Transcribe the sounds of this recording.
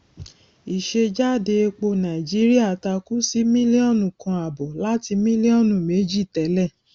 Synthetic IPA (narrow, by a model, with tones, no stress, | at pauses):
i˨ʃe˧d͡ʒa˦˨de˧k͡po˧nã˨i˨d͡ʒi˦ɾi˦a˦˨ta˧ku˦si˦mĩ˦li˦ɔ̃˦˨nũ˨kã˧a˨bɔ˨la˦ti˧mĩ˦li˦ɔ̃˦˨nũ˨me˨˦d͡ʒi˦˨tɛ˨˦lɛ˦˨